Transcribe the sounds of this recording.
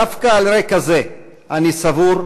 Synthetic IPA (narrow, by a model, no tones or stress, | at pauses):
afkaːlɾekaze̞ | ʔanisavuɾ